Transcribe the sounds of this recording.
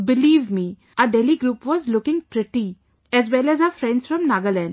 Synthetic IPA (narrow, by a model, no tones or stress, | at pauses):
bɪliːʋmi | ʔəɖɛliɡɾuːpʋɔzlʊkɪ̃ŋpɾɪʈi | ɛzʋɛlɛzafɾɛ̃ɳɖsfɾɔ̃mnaɡəlɛ̃ɳɖ